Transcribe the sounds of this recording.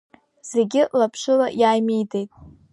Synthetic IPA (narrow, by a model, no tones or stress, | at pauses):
z̥e̞ɡʲɪlapʰʂɨlajaːjmijde̞jtʼ